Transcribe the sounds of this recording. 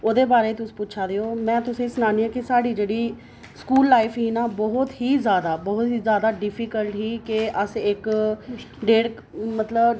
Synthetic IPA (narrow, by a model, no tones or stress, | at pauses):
oːd̪eːbaːɾeːt̪ʊsĩ̥ːpʊːt͡ʃʰaːd̪eːoːmɛ̃ːt̪ʊsẽsənaːniːãːkɪsaːɖiːd͡ʒeːɽiː | skuːlːaːipɦiːnaːbɔɦʊt̪ɦiːzjaːd̪aːbɔɦʊt̪ɦiːzjaːd̪aːɖɪpʰiːkəlʈɦiːkɪʔəsɪk | ɖeːɽ | mət̪ləb